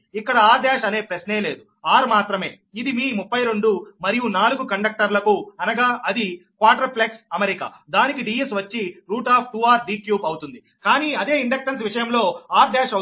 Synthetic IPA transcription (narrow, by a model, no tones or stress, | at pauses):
ikːɐɽɐaːɾɖ̪ɛːʃɐne̞ːpɾesne̞ːle̞ːd̪u | aːɾmaːt̪ɾɐme̞̰ː | id̪imiːmupːɐjɾe̞ɳɖumɐɾijunaːluɡukɐɳɖɐk̚ʈɐɾlɐkuɐnɐɡaːʔɐd̪ikʋaːʈɐɾpleksɐmeɾika̰ː | d̪aːnikiɖiːesʋɐt͡ʃːiɾuːʈaːpʰʈuːaːɾɖiːkjuːbɐwt̪und̪i | kaːniːɐd̪e̞ːiɳɖɐkʈɐns̬ʋiʂɐjɐmlo̞ːaːɾd̪ɛːʂɐ